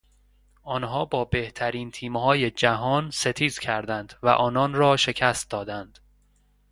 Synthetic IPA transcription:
ʔɒːnɦɒːbɒːbe̞ht̪ʰæɾiːnt̪ʰiːmhɒːje̞d͡ʒæɦɒːnse̞t̪ʰiːzcʰæɾd̪ænd̪̥væ̰ʔɒːnɒːnɾɒːʃe̞cʰæst̪̚d̪ɒːd̪ænd̪̥

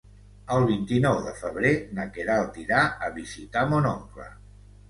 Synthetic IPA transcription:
əlˠβint̪inɔwðəfəβ̞ɾenəkeɾalˠt̪iɾaəβizit̪amonɔŋklə̰

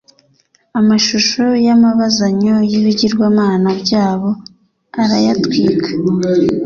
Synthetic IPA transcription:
amaʃuʃojamaβazaɲo̞jiβiɟiɾɡwaːmaːnabɟaːβo̞ | aɾajatwiːkʰḁ

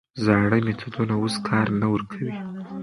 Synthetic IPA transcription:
zɑɽəjmet̪ʰad̪unaoskʰɑɾnawəɾkʰawi

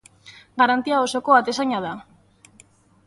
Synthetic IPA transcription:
ɡaɾant̪iao̞so̞ko̞at̪e̞saɲaða

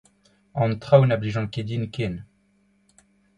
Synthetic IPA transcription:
ɑ̃nt̪χawnabliʒɑ̃ked̪inkʲen

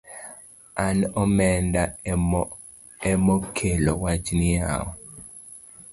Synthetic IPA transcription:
anɔmɛnda | ɛmɔkʰelɔwat͡ʃnɪa̰ɔ

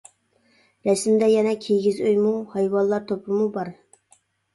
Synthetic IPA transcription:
ɾɛsmd̪ɛjɛnɛkʲʰejɡʲizøjmuhɑjwɑnˠlˠɑɾt̪ʰopʰɨmubɑɾ

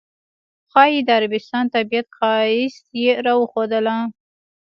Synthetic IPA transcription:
xɑjid̪əaɾabɪst̪ɑnt̪abijat̪xɑɪst̪jeɾɑwəxod̪əla

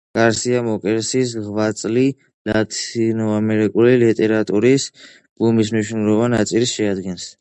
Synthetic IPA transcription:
kʼaɾsiamɔkʼɛɾsis̬ʁvat̪sʼli | lat̪ʰinɔamɛɾikʼulilit̪ʼɛɾat̪ʼuɾis | b̥umis̬mniʃnulɔbanat̪sʼilsʃɛad̪ɡɛns

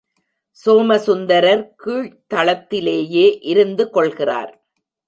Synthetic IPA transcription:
soːmɐsʊnd̪ɐɾɐɾkiːɻt̪ɐɭɐt̪ːɪleːjeːʔɪɾɯnd̪ɯkɔɭɣɪra̰ːɾ

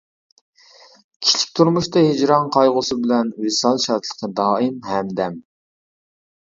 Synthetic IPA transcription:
kʲʰi̥t͡ʃʰi̥k̚ʲt̪ʰuɾmuʃt̪ɑhed͡ʒɾɑŋqʰɑjʁʊsɨbɪlɛnwɪsɑlˠʃɑɾt̪lˠə̥qʰəd̪ɑːimɦɛmd̪ɛm

